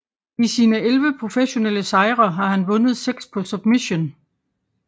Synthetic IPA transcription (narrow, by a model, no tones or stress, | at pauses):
isiːnəelʋəpʰʁo̝feɕo̝neləsɑ̈ɪʁɐɦɑ̈ɦænʋɔ̽nəð̞ˠseɡ̥spʰɒ̽sub̥miɕo̝n